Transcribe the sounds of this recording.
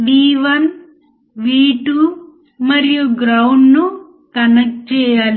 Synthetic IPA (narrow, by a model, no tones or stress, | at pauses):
ʋiːʋɐn | ʋiːʈu | mɐɾijuɡɾɐwɳɖnu | kɐnɐk̚ʈt͡ʃɛːjaːli